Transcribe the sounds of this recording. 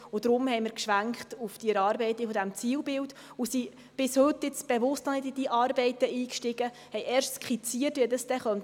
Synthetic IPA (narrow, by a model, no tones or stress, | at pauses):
ʊd̥̪ɾʊmhɛɪjmɪɾkʃʋæŋkχtufd̥iɛɾɑːɾbɛɪt̪ifɔd̪æmt͡siːwbɪlt | ʊsi | b̥ɪshʏt̪ːɪt͡sb̥ɛʋʊstnɔnɪdid̥iʔɑːɾbɛɪt̪əiːkʃtɪɡ̥ə | hɛjʔɛːɾʃtskχit͡siəteɛdəsd̥̪ɛχœnt